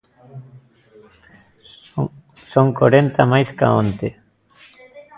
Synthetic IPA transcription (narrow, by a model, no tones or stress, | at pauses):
soŋkoɾent̪amajska̰õnt̪e